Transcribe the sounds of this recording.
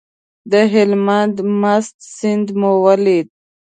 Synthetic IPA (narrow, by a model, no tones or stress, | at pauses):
d̪əɦɪlmand̪mast̪sɪnd̪mowalid̪̚